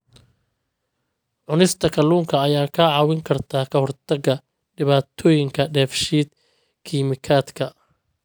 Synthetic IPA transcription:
ʕʊnɪst̪ʰɐkʰɐluːŋkʰɐːjaːkʰɐʕɑːwɪŋkʰɐrt̪ʰaːkʰɐhɔrt̪ʰɐɡɐ | ɖɪβaːt̪ʰɔːjɪŋkʰɐɖɛːfʃiːd̪ | kʰiːmɪkʰaːd̪kʰɐ

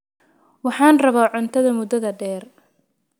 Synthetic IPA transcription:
wɑħɑːnrɐβaːʕʊnt̪ʰɐðɐmʊd̪ɐðɐɖɛːr

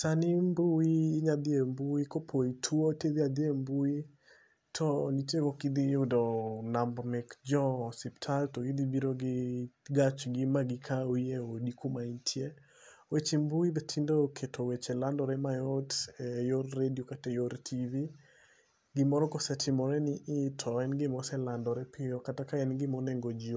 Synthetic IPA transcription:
sanimbuiːɲad̪ɪembuikopʰoitʰwoted̪iad̪ɪembui | tʰɔnit͡ʃekokid̪iodɔnambmɛkd͡ʒɔsiptʰaltɔkid̪ibiɾoɡɪɡat͡ʃɡɪmaɡɪkʰaoieodikomaintʰje | wet͡ʃembuibetʰindokʰetʰowet͡ʃɛlandɔɾɛmajɔtɛjorːediokatɛjoɾtʰivi | ɡɪmɔɾɔkɔsɛtʰɪmɔɾɛnɪʔɪtʰɔɛnɡɪmɔsɛlandɔɾɛpɪjɔkatakaɛnɡɪmɔnɛŋɡod͡ʒio

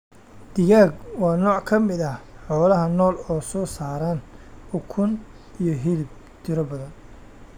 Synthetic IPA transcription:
d̪̥ɪɣaːɡwɑːnɔːʕkʰɐmɪðɐħɔːlɐɦɐnɔːlɔːsɔːsaːɾaːnʊkʰʊn | ijɔɦɪðɪb̚ | t̪ʰɪɾɐbɐðɐn

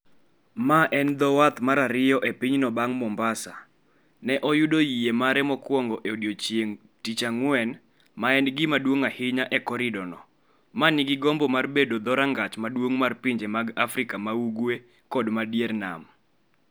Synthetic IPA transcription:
maʔɛnd̪ɔwat̪maɾaɾɪjɔʔepiɲnɔbaŋmɔmbasa̰ | nɛʔɔjudojijemaɾɛmɔkwɔŋɡɔʔeodjot͡ʃjeŋ | tit͡ʃaŋwɛn | maɛnɡɪmadwoŋahɪɲaʔɛkɔɾɪdɔnɔ | manɪɡɪɡɔmbɔmarbedod̪ɔɾaŋɡat͡ʃmadwoŋmarpiɲd͡ʒemaɡafɾɪkamauɡwe | kɔdmadjɛrna̰m

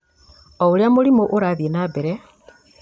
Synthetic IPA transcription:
ouɾjamulimoʔuɾaðjenabeɾe

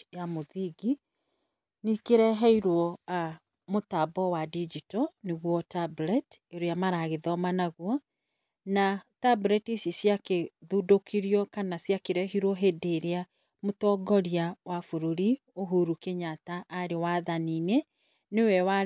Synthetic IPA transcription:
jamoðiɡi | nikeɾɛɦɛiɾwɔa | motabɔwadid͡ʒitɔneɣwɔtablɛteɾojamaɾaɣeðɔmanaɣwɔ | natabulɛtisjisjakeðudokʰiɾiɔkanasjakeɾɛɦiɾwɔɦedeɾea | motɔɡɔɾiawafoɾoɾi | oɦuɾukeɲataʔːɾewaðaniːne | newɛwa

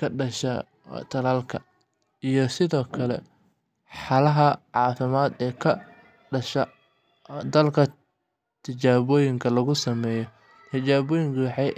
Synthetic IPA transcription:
kʰɐɖɐʃɐ̰ | t̪ʰɐlaːlkʰɐ | ijɔsɪðɔːkʰɐlɛ̰ | ħɑlɐɦɐʕɑːfɪmaːd̪ɛːkʰɐ | ɖɐʃɐ | d̪ɐlkʰɐ | t̪ʰɪt͡ʃaːβɔːjɪŋkʰɐlɐɣʊsɐmɛːjɔ | t̪ʰɪt͡ʃaːβɔːjɪŋkʰɐwɑħɑ

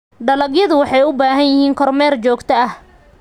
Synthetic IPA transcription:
ɖɐlɐɣjɐðʊwɑħɑjʊbaːɦɐnjɪhiːŋkʰɔrmɛːrt͡ʃɔːɡt̪ʰɐɐh

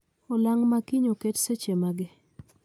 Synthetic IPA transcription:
ɔlaŋmakɪɲoketset͡ʃemaɡɪ

